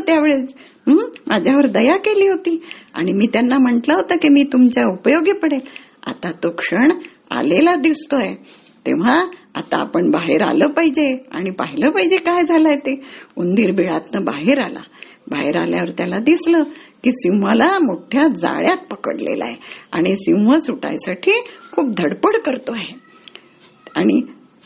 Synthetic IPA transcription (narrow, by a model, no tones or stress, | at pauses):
t̪jaʋeɭe | ɦəmʔad͡ʑʱjaʋəɾd̪əjakeliːɦot̪iːa̰ɽ̃imiːt̪janːam̤əɳt̪laɦot̪akimiːt̪umt͡ɕjaupəjoɡepəɽel | a̰t̪at̪okʂəɳ | a̰lelad̪ist̪oje | t̪ḛʋ̤aa̰t̪a̰ːpəɳbaɦeɾa̰ləːpaɦid͡ʑea̰ɽ̃ipa̰ɦiləpaɦid͡ʑekajd͡zʱalajet̪eund̪iːɾbiɭat̪nəbaɦeɾala̰ | baɦeɾaljaʋəɾt̪jalad̪isləkiːsiwʋalamoʈʰjad͡za̰ɭjat̪̚pəkə̰ɽlḛla̰ɦeaɽ̃isiwʋəsuʈa̰jsaʈʰiːkʰuːp̚d̪ʱəɽpəɽkəɾt̪oaɦe | aɽ̃i